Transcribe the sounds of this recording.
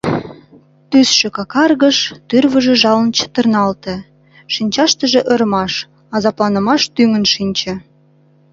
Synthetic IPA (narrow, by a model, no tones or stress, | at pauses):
t̪ysʃĕkɑkɑrɣəʃt̪yrβəʒĕʒɑlənt͡ɕə̥t̪ərnɑlt̪ĕ | ʃinʲt͡ɕɑʃt̪əʒĕʔə̆ɾmɑʃ | ɑzɑplɑnə̆mɑʃt̪yŋə̆nʃinʲt͡ɕĕ